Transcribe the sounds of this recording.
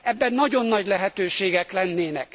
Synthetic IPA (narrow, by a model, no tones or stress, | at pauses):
ɛbːɛnːɒɟo̞nːɒɟlɛɦɛt̪øːʃeːɡɛklɛnːeːnɛk